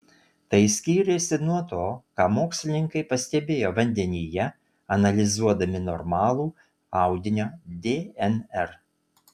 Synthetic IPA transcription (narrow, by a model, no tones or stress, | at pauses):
t̪ɐɪsʲkʲiːɾʲesʲɪnuɔt̪oːkɑːmoːksʲlʲɪnʲɪŋkɐɪpɐsʲt̪ʲɛbʲeːjoːʋɐnʲd̪ʲɛnʲiːjɛ | ɐnɐlʲɪzuɔd̪ɐmʲɪnɔɾmɑːlˠuː | ɑˑʊd̪ʲɪnʲoːd̪ʲeːɛnɛɾ